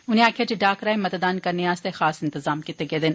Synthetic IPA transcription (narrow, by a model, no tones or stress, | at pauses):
ʊnẽaːkʰjad͡ʒeɖaːkɾaːẽmɐt̪ɐd̪aːnkɐɾniaːst̪exaːsɪ̃nt̪ɪzaːmkɪt̪ːeɡed̪ɪn